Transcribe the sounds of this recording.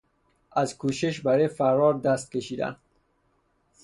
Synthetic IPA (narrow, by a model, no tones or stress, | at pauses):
ʔæzkʰuːʃeʃbæɾefæɾɾɒːɾd̪æst̪̚kʲeʃiːd̪æ̰n